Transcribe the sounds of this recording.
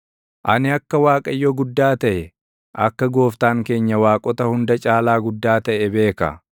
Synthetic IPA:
ʔɐnɪɐkːɐwaːkʼɐjːɔɡʊd̪ːaːt̪ɐʔɛ | ʔɐkːɐɡo̞ːft̪aːŋke̞ːɲːɐwaːkʼɔt̪ɐhʊnd̪ɐt͡ʃʼaːlaːɡʊd̪ːaːt̪ɐʔɛbe̞ːkɐ̰

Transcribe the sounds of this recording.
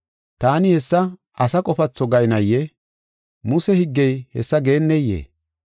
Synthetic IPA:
t̪aːnɪhɛsːɐ | ɐsɐkʼɔfɐt͡sːɔɡɐjnɐjːɛ | mʊsɛhɪɡːɛjhɛsːɐɡe̞ːnːɛjːḛː

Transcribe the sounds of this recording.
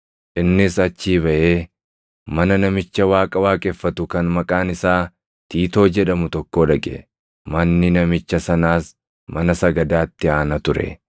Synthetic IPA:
ʔɪnːɪsɐt͡ʃːiːβɐʔe̞ː | mɐnɐnɐmɪt͡ʃːɐwaːkʼɐwaːkʼɛfːɐt̪ʊkɐnmɐkʼaːnɪsaː | t̪iːt̪o̞ːd͡ʒɛᶑɐmʊt̪ɔkːo̞ːᶑɐkʼɛ̰ | mɐnːɪnɐmɪt͡ʃːɐsɐnaːs | mɐnɐsɐɡɐd̪aːt̪ːɪaːnɐt̪ʊɾɛ̰

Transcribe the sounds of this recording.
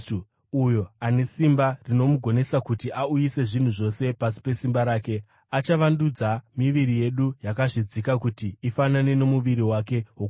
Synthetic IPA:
ujo̞ane̞simbarino̞muɡʱo̞ne̞sakutiʔaujise̞ʐin̤uʐo̞se̞pasi̥pe̞simbaɾaːke̞ | at͡ʃaʋandud͡zamiʋiɾije̞ɗujakaʐid͡zikakutiːfanane̞ne̞muʋiɾiwake̞ɦo

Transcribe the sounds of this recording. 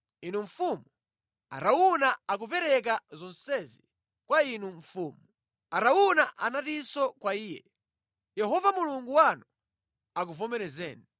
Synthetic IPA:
inuɱfumu | a̰ɾaunaak̬upɛɾɛk̬azɔnsɛzi | kwainuɱ̩fuːmu | aɾaunaʔanatisɔkwaiːjɛ̰ | jɛɦɔvamuluŋɡuwanɔ | ak̬uvɔmɛɾɛzɛ̰ːnɛ

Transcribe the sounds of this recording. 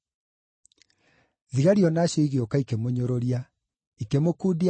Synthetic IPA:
ðiɣaɾiɔnaːɕjɔiɣjokaikemoɲoɾoɾia | ikemokudi

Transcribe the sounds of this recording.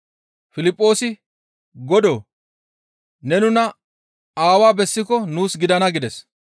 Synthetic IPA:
fɪlɪpʼːo̞ːsɪ | ɡɔd̪o | nɛnʊnɐ | aːwaːbɛsːɪkɔnuːsɡɪd̪ɐnɐɡɪd̪ɛs

